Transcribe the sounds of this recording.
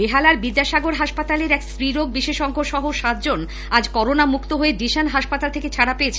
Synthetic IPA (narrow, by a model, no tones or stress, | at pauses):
beɦalaɾbid̪ːaʃaɡoɾɦaʃpat̪aleɾɛksɾiɾoɡ̚biʃeʃɔŋkʰoɾʃɔɦoʃat̪̚d͡ʑon | ad͡ʑkɔɾonamukt̪oɦoeɖiʃanɦaʃpat̪alt̪ʰeket͡ɕʰaɽapeet͡ɕʰe